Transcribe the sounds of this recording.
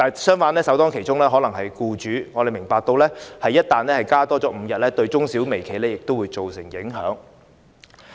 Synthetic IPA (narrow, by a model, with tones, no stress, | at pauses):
t̪aː˨sœː˥ŋfaː˧˥nlɛː˥sɐ˨˥wt̪ɔː˥kʰe˨˩jt͡ʃʊ˥ŋlɛː˥ɦɔː˨˥lɐ˨˩ŋhɐ˨jkuː˧t͡ʃyː˨˥ŋɔː˨˧ɾe˨jmɪ˨˩ŋpaː˧k̚t̪o˧wlɛː˥hɐ˨jːɐ˥t̚t̪aː˨nlɛː˥hɐ˨jkaː˥t̪ɔː˥t͡sɔː˨˥m̩˨˧jɐ˨t̚lɛː˥t̪ɵ˧ɥt͡sʊ˥ŋsiː˨˥wme˨˩jkʰe˨˩jlɛː˥jɪ˨k̚t̪o˥wuː˨˧jt͡so˨wsɪ˨˩ŋjɪ˨˥ŋɦœ̰ː˨˥ŋ